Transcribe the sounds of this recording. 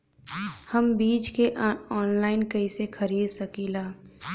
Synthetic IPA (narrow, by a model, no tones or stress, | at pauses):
həmbiːd͡ʒkeʔɔːnlaːɪnkɐisexɐɾiːd̪sɐkilaː